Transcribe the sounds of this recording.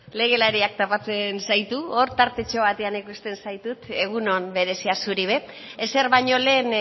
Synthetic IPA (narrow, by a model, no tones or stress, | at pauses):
le̞ɣ̞e̞laɾiak̚t̪apat͡se̞nsajt̪uoɾt̪aɾt̪e̞t͡ʃo̞βat̪e̞anikust̪e̞nsajt̪ut̪e̞ɣ̞uno̞mbe̞ɾe̞siasuɾiβ̞e̞ː | se̞ɾβaɲo̞le̞ːn